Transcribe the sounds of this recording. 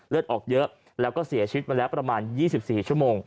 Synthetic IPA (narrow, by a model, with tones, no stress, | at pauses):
lɯ˥˩t̪̚ʔɔː˨˩k̚jɤ˦˥ʔ | lɛː˦˥wkɔː˥˩si˨˩˦t͡ɕʰi˧wi˦˥maː˧lɛː˦˥wpɾa˧maː˧njiː˥˩si˨˩p̚siː˨˩t͡ɕʰu˥˩əmoː˧ŋ